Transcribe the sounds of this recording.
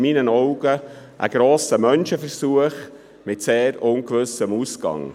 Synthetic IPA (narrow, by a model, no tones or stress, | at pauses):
minənɔʊɡ̥əʔə̰ɡ̥ɾoːsəmœnʃəfəɾsuəχ | mɪtseːɾʊnkʋʏsəmuːsɡɑ̰ŋ